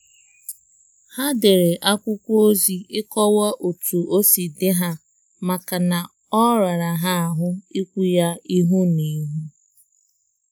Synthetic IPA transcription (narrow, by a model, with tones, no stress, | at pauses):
ha˦de˨ɾe˨ʔa˦kʷʊ˦kʷo˦o˦zi˦ɪ˦kɔ˦wa˦ʔo˨tu˨o˦si˨dɪ˦ɦa˦ | ma˨ka˨na˨ | ɔ˦ɾa˨ɾa˨ɦa˦a˨ɦʊ˦i˦kʷu˦ja˦i˦ɦu˦ni˨˦ɦu˦